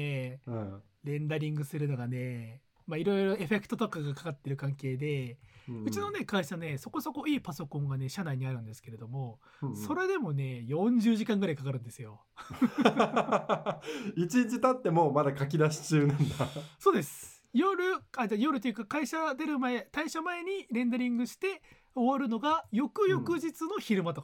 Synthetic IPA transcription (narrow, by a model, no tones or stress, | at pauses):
e | ɾẽ̞nd̪aɾʲĩŋɡɯ̟sɨɾɯ̟no̞ɡane̞ | maiɾo̞jɾo̞e̞ɸe̞kɯ̟̥t̪ot̪o̞kaɡakḁkat̪ːe̞ɾɯ̟kãŋke̞ːd̪e̞ɯ̟t͡ɕino̞ne̞kaiɕane̞so̞ko̞so̞ko̞iːpaso̞kõ̞ŋɡane̞ɕanaiɲ̟iaɾɯ̟̃nd̪esɨ̥ke̞ɾe̞d̪o̞mo̞ | so̞ɾe̞d̪e̞mo̞ne̞jõ̞ɲd͡ʑɨːʑikãŋɡɯɾaikakaɾɯ̟̃nd̪e̞sɨjo̞ | it͡ɕĩɲt͡ɕit̪at̪ːe̞mo̞mad̪akak̬ʲid̪aɕi̥t͡ɕɨːnãnd̪aso̞ːd̪e̞sɨ̥ | jo̞ɾɯ̟ad͡ʑajo̞ɾɯ̟t̪ojɯ̟kakaiɕad̪e̞ɾɯ̟maet̪aiɕamae̞ɲ̟iɾẽ̞nd̪e̞ɾʲĩŋɡɯ̟ɕi̥t̪e̞ | o̞βaɾɯ̟no̞ɡajo̞kɯ̟jo̞kɯ̟d͡ʑit͡sɨno̞çiɾɯ̟mat̪o̞ka